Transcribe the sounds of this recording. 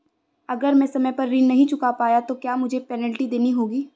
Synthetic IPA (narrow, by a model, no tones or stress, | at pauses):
ɐɡəɾmɛ̃sɐməjpɐɾːiːnnɐɦĩt͡ʃʊkapaːjat̪okjaːmʊd͡ʒʱepɛːnəlʈid̪eːniɦoːɡiː